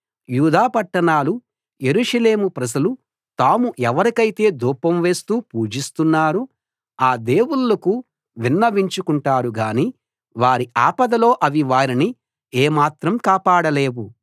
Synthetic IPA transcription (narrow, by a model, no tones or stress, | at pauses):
juːd̪aːpɐʈːɐɳaːlu | je̞ɾuːʂɐle̞ːmupɾɐd͡ʒɐlu | t̪aːmuʔɛʋɐɾikɐjit̪e̞ːd̪uːpɐmʋe̞ːst̪uːpuːd͡ʒist̪unːaːɾu | aːd̪e̞ːwulɐku | ʋinːɐʋiɲt͡ʃukuɳʈaːɾuɡaːniː | ʋaːɾiʔaːpɐd̪ɐlo̞ːʔɐʋiʋaːɾini | eːmaːt̪ɾɐmkaːpaːɽɐle̞ːʋu